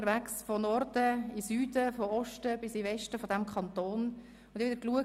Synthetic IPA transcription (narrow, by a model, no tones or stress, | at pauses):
əɾvæksfɔnɔrd̥əisyːd̥əfɔɔʃtəb̥ɪsivɛʃtəfɔdæmkχɑnt̪oːn | ʊnd̪ɪʋɪdəɾkluə